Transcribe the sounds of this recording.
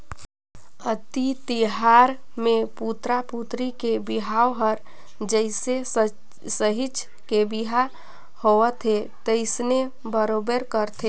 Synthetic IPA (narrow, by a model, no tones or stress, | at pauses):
ət̪it̪iɦaɾ | meput̪ɾaput̪ɾikebiɦaoɦəɾ | d͡ʒəɪse | səɦit͡ʃ | kebiɦa | hoət̪ʰe | t̪əɪsne | bəɾobeɾkəɾt̪ʰe